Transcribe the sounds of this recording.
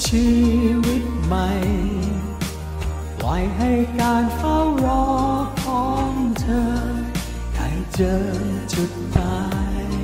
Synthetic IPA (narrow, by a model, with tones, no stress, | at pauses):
t͡ɕʰiː˧wi˦˥t̪̚ma˧j | pla̰˨˦jɦa˥˩jkaː˧nkʰaː˥˩wɾɔː˧˦kʰɔː˨˦ŋt̪ʰɤː˧ | da˧˩jt͡ɕɤː˧nt͡ɕu˨˩t̪̚ma˧j